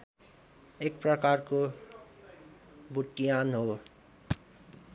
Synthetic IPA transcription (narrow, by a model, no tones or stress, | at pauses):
ek̚pɾʌkaɾko | buʈːijanɦo